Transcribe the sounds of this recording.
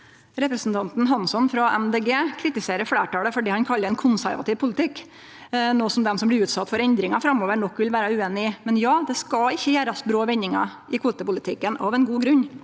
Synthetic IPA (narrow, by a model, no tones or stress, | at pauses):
ɾɛpɾɛsn̩t̪ʰɑnt̪n̩ɦɑnsɔnfɾɑʔɛmd̪eːɡeːkʰɾɪt̪ɪseːɾəɾfɽeːʈɑːləfɔɖiːhɑnkʰɑlːəɾɛnkʰʊnsæ̰ɾʋɑt̪ɪːʋpʰʊlɪt̪ʰɪk | noːsɔmd̪ɛmsɔmblɪɾʉːt̪sɑt̪ːfɔɾɛnd̪ɾɪŋɑfɾɑmoːʋəɳɔkːʋɪlʋæːɾɑʉːeːnɪmɛnjɑːd̪ɛskɑlɪçːəjæːɾɑsbɾoːʋɛnːɪŋɑ̰ | ɪkʰʋuːt̪əpʊlɪt̪ʰɪkːənɑʋɛnɡuːɡɾʉɲ